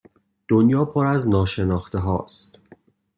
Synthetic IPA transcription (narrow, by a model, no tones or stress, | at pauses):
d̪̥onjɒːpʰoɾæznɒːʃe̞nɒːxt̪ʰe̞ɦɒ̰ːst̪